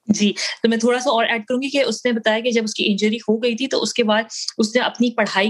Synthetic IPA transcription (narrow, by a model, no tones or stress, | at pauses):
d͡ʒiːt̪oːmɛ̃ːt̪ʰoːɽasaɔːɾɛːɖ̚kɐɾũːɡikeʊsnebɐt̪aːjaked͡ʒɐbʊskiʔɪ̃nd͡ʒəɾihoɡɐit̪ʰit̪o̰ʔʊskebaːd̪̚ʊsnẽʔɐpnipɐɽ̤aːi